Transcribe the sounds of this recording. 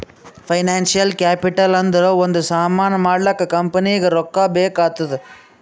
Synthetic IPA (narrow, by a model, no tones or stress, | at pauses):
pʰɐjnaːnsijɐlkaːpiʈɐlɐnd̪ɐɾoːond̪usaːmaːnɐmaːɽlɐkːɐkɐmpɐnijɐɡeɾɔkːaːbeːkaːt̪ːɐd̪e